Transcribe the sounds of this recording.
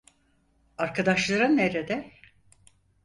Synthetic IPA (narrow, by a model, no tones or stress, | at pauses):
aɾkʰad̪aʃlˠaɾɯnːeɾed̪ɛ